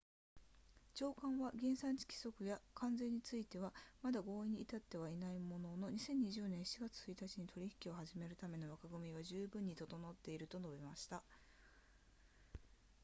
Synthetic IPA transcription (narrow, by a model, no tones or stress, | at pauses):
t͡ɕo̞ːkãɰ̃βaɡʲẽ̞ɰ̃sãɲ̟t͡ɕi̥kʲi̥so̞kɯ̟jakʰãnd͡zẽ̞ɲ̟ːit͡sɨit̪e̞βamad̪aɡo̞ːiɲ̟iːt̪at̪ːe̞βainaimo̞no̞no̞ɲ̟isẽ̞ɲ̟ːiʑɨːnẽɰ̃ɕi̥iɡat͡sɨ̥t͡sɨit̪at͡ɕiɲ̟it̪o̞ɾʲiçi̥kʲio̞haʑime̞ɾɯ̟t̪ame̞no̞βakaɡɯ̟mʲiβaʑɨːbɯ̟̃ɲ̟ːit̪o̞t̪o̞no̞t̪ːe̞iɾɯ̟t̪o̞no̞bʲimaɕi̥t̪a